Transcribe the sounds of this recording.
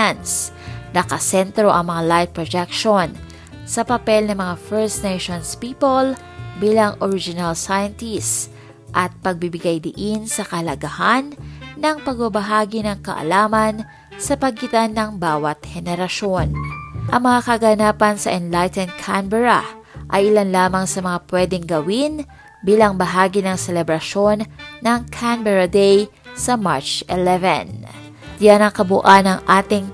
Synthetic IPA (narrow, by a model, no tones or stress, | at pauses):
ans | nɐkɐsɛnt̪ɾo̞ʔɐŋmɐŋalajt̪̚pɹod͡ʒɛk̚ʃon | sɐpɐpɛlnɐŋmɐŋafɛɹsneʃonspiːpol | biːlɐŋʔoɹɪd͡ʒɪnɐlsajɐnt̪is | ʔɐt̪̚pɐɡ̚bibɪɡajd̪ɪʔɪnsɐkɐɐlɐɡɐhanːɐŋpɐɡ̚bɐbɐɦaːɡɪnɐŋkɐ̰ʔɐ̰laːmɐn | sɐpɐɡɪt̪ɐnːɐŋbaːwɐt̪̚hɛnɛɾɐʃo̞nʔɐŋmɐŋakɐɡɐnaːpɐnsɐʔɛnlajt̪ɛnd̪̚kʰambɛɹɐ̰ | ʔɐjʔɪlanlaːmɐŋsɐmɐŋapwɛd̪ɛŋɡɐwin | biːlɐŋbɐɦaːɡinɐŋsɛlɛbɾɐʃo̞nːɐŋkʰambɛɹɐd̪ej | sɐmaɹt͡ʃɛlɛvɛn | janɐŋkɐbʊʔanɐŋʔaːt̪ɪŋ